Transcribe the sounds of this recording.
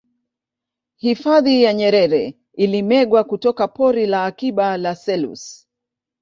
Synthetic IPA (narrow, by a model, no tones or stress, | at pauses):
hifaðijaɲɛɾɛɾɛ | ilimɛɡwakutɔkapɔɾilaːkiɓalasɛlṵs